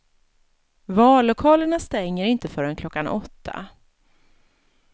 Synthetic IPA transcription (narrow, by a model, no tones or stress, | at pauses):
vɑːllʊkʰɑːləɳast̪ɛŋːəɾɪnt̪əfœːɾənkʰlɔkːanʔɔt̪ʰːa̰